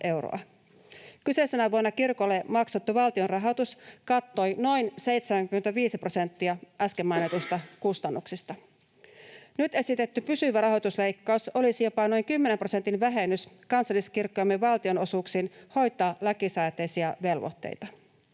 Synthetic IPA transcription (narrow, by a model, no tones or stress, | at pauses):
ʔe̞wro̰ɑ̰ | kyseisenæʋuonːɑkirkolːemɑksot̪ːuʋɑlt̪ionrɑɦo̞t̪uskɑt̪ːo̞jno̞jnse̞jt̪semæŋkymːet̪æʋiːsipro̞se̞nt̪ːiɑʔæskemːɑjnet̪ust̪ɑkust̪ɑnːuksist̪ɑ | nyt̪e̞sit̪e̞t̪ːypysyʋærɑɦo̞t̪uslejkːɑuso̞lisijo̞pɑno̞jŋkymːe̞nempro̞se̞nt̪inʋæɦe̞nːys | kɑnsɑlːˑiskirkːojɑmːeʋɑlt̪io̞no̞suksiːnho̞jt̪ˑɑːlækisɑjt̪ːejsiɑʋe̞lʋo̰t̪ːḛjt̪ɑ